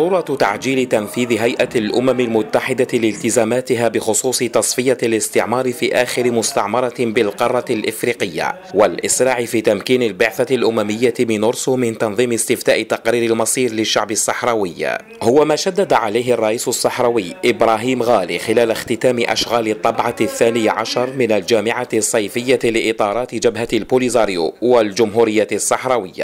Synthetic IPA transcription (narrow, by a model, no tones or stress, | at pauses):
ɾuːɾˤɑt̪a̰ʕd͡ʒiːlɪt̪anfiːðɪɦajʔalʔʊmamɪlmʊt̪ːaħɪd̪alɪlt̪ɪzaːmaːt̪ɪɦaːbɪxʊsˤuːsˤɨt̪ɑsˤfɪjalɪst̪ɪʕmɑːɾˤɪfiːʔaːxɪɾɪmʊst̪ɑ̰ʕmɑɾˤɑbɪlqɑrˤːɑlʔɪfɾiːqɪjːa̰ | walʔɪsɾˤɑːʕɪfiːt̪amkiːnɪlbɪʕθalʔʊmamɪjːamɪnʊɾsʊmɪnt̪ɑnðˤiːmɪst̪ɪft̪aːʔɪt̪ɑqɾiːɾalmɑsˤiːɾlɪʃːa̰ʕbɪsˤːɑħɾˤɑːwɪjː | hʊwamaːʃad̪ːad̪aʕalajɦɑrˤːɑʔiːsʊsˤːɑħɾˤɑwɪjːʔɪbɾaːɦiːmɣaːlḭːxɪlaːlaxt̪ɪt̪aːmɪʔa̰ʃɣaːlɪt̪ˤːɑbʕɑθːaːnɪjaʕaʃɑɾˤmɪnald͡ʒaːmɪʕasˤːɑjfɪjːalɪʔɪt̪ˤɑːɾˤɑːt̪ɪd͡ʒabhalbulɪzaːɾjṵwald͡ʒʊmɦuːɾɪjːasˤːɑħɾˤɑːwɪjːa̰